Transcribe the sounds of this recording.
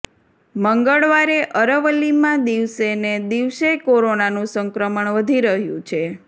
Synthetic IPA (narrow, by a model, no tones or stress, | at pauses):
məŋɡəɭʋaɾeʔəɾəʋəlimãd̪iʋsened̪iʋsekoɾonanũsəŋkɾəməɳʋəd̪ʱiɾəɦjṵ̃t͡ʃʰe